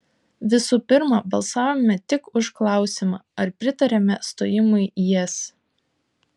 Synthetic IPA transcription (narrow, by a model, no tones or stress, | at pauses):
ʋʲɪsuːpʲɪɾmɐbɐlˠsɑːʋomʲɛt̪ʲɪkʊʃklˠɑˑʊsʲɪmɑːɐɾpʲɾʲɪt̪ɐɾʲɛmʲɛst̪o̰ːjɪmʊɪjɛs